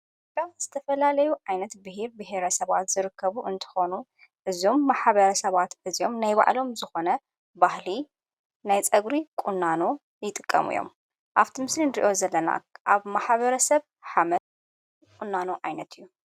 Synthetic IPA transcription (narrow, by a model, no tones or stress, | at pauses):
baz̥ɨt̪ʰɐfɐlalɐjuʕajnɐt̪bɨheɾbɨɦeɾɐsɐβa̰t̪z̥ɨɾɨkʰːɐβuʔɨnt̪ʰɐ̥xo̞nu | ʔɨzo̞mːaħβɐɾɐsɐβat̪ʔɨzijo̞mnajβa̰ʕlo̞mzɨxo̞nɐ | bahli | najt͡sʼɐɡɾikʼunːano | jɪt̪ʼɨkʼːɐ̰mṵjo̞̰m | ʔaβt̪ʰimɨslinḭʔo̞zɐlːɐna̰ʔaβmaħβɐɾɐsɐβ | ħamɐt̪ | kʼunːanoʕajnɐt̪ʰɨjːu